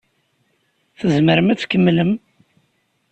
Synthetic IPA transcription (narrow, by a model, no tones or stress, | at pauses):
θəzməɾəmæθkəmːləm